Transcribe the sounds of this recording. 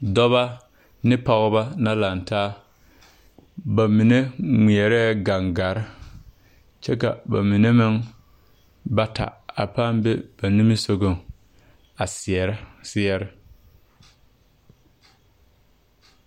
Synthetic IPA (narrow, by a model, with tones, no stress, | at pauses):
dɔ˦βa˦ | nɪ˦pa˨ɣʊ˦ba˦na˦la˨n˨taː˦ | ba˨mi˨ne˦ŋi˨ɛ˨ɾɛ˦˨ɡa˨ŋɡa˨ɾɪ˦ | t͡ʃɛ˦ka̰˨ba̰˨mi˨ne˦mɪ˦ŋ | ba˦tʰa̰˨a˨pa˦mbe˦b̥a˨ni˦mɪ˦so˨ɡo˦˨m | a˨sɪ˨ɛ˨ɾɪ˦sɪ˦ɛ˨ɾɪ˦